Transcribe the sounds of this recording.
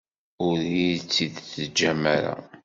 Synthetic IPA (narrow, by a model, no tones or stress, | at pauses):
ʊɾit͡sːiðt͡sːəd͡ʒːæmæɾa̰